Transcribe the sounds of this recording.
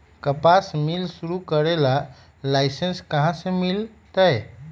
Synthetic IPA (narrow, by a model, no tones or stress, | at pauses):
kəpasmilsuɾukəɾela | lajsenskəɦãsẽmil | t̪əj